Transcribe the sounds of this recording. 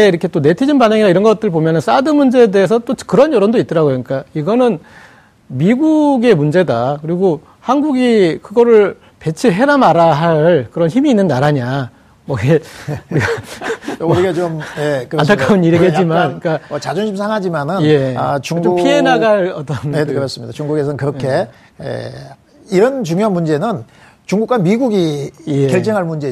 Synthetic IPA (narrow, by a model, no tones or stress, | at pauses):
eiɾʌkʰe̞t͈one̞tʰid͡ʑinbaneŋiɾaiɾʌnɡʌt͈ɯɾɭpomjʌnɯns͈adɯmund͡ʑe̞de̞ːsʰʌt͈okɯɾʌnjʌɾondoit͈̚ʌɾaɡojʌɲik͈aiɡʌnɯn | miɡuɡe̞mund͡ʑe̞dakɯɾiɡo | hanɡuɡikɯɡʌɾɯɭ | pe̞t͡ɕʰiɭɦe̞ɾamaɾaɦaɭkɯɾʌnçimiːnːɯnːaɾaɲa | mʌiɡeɾiɡa | ɾiɡat͡ɕomjekɯɾatʰak͈ʰauniɾeɡet̚t͡ɕ͈imank͈aʌt͡ɕad͡ʑunɕʰimsʰaŋɦad͡ʑimanɯnje̞t͡ɕuŋupʰie̞naɡaɭʌt͈ʌnekɯɾʌs͈ɯmɲid̥̪at͡ɕuŋɡuɡe̞s̬ʰʌnkɯɾʌkʰe̞ | ḛ | iɾʌnt͡ɕuŋjoɦanmund͡ʑe̞nɯn | t͡ɕuŋɡukwamiɡuɡijekjʌɭt͡ɕ͈ʌŋɦaɭmund͡ʑe̞